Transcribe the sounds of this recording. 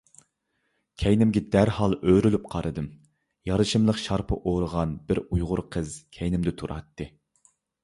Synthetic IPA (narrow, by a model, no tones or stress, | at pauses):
kʲʰɛjnɪmɡʲɛd̪æɾhɑlˠøɾylyp̚qʰɑɾɨd̪ɨm | jɑɾɨʃɨmlˠəqʃɑɾpʰə̰ʔoɾəʁɑnbɪɾujʁʊɾqʰəzkʲʰɛjnɪmd̪ɪt̪ʰuɾɑ̰t̪ːɨ